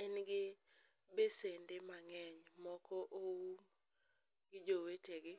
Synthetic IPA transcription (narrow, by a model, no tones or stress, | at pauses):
ɛnɡɪ | besendemaŋɛɲmɔkɔʔowu | ɡɪd͡ʒoweteɡɪ